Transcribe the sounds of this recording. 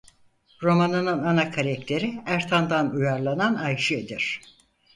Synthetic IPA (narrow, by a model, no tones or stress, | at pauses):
ɾo̞manɯnɯnanakʰaɾɛkt̪ʰe̞ɾiæɾt̪ʰand̪anujaɾlˠananajʃɯed̪iɾ̥